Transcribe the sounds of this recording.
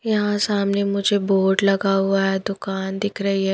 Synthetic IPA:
jɐɦãsamnemʊd͡ʒʱeboːɾɖlɐɡaʋajad̪ʊkaːnd̪ɪkʰɾəɦiːɦɛ

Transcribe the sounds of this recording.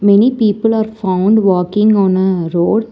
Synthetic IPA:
mɛnipiːpəlaːɾfãʊ̃ɳɖʋɔːkɪ̃ŋɡɔ̃ːnəɾoːɖ

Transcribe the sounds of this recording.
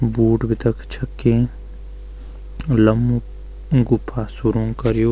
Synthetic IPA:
buːʈbʱit̪əkt͡ʃʰəkːẽː | lɐm | ɡʊpʰːaːsuɾũŋkɐɾjoː

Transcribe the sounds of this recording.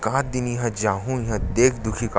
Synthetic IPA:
kãːt̪d̪ɪnjiɦɐ̃d͡ʒaːɦũjɦãd̪eːkʰd̪ʊkʰik

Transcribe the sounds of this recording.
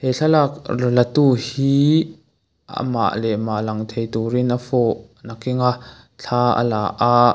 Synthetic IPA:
hɛɬʰalak̚rlɐt̪uhiː | ə̰ma̰ʔlɛmaʔlaŋt̪ʰejt̪uɾinafɔʔ | nakiŋaʔ | ɬʰaːə̰laʔaʔ

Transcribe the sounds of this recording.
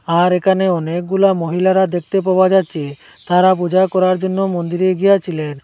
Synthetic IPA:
aɾekʰaneɔnek̚ɡulamoɦilaɾad̪ek̚t̪ep̬awad͡ʒatːt͡ʃʰe | t̪aɾap̬ud͡ʒakɔɾaɾd͡ʒonːomond̪iɾeɡijat͡ʃʰilen

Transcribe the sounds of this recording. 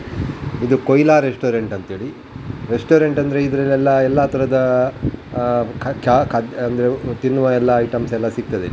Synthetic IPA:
id̪ukojlaːɾesʈoːɾeɳʈɐnt̪eːɭi | ɾesʈoːɾeɳʈɐnd̪ɐɾe̞id̪ɐɾɐlːɛlːɐɛlːat̪ʰɐɾɐd̪ɐ | kʰkakʰɐd̪ɐnd̪ɐɾet̪inːuʋɐɛlːɐːjʈɐmsɛlːɐsik̚t̪ɐd̪e

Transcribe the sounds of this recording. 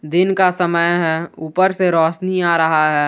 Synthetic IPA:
d̪ɪnkasəməjɦɛːuːpəɾseɾɔːʃniaːɾɐɦaɦɛː

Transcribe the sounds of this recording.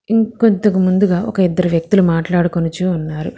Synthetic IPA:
iŋkont̪ɐkimund̪uɡaːʔɔ̰kɐid̪ːɐɾuʋjɐk̚t̪ulumaːʈlaːɽukonɐt͡ʃuːnːaːɾu

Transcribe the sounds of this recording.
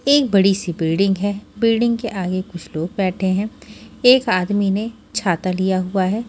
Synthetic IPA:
eːk̚bɐɽisibɪlɖɪ̃ŋɡɦɛːbɪlɖɪ̃ŋɡkeʔaːɡekʊt͡ʃʰloːɡ̚bɛːʈʰeɦɛ̃ːeːkaːd̪mine | t͡ʃʰaːt̪alijaɦuaɦɛː

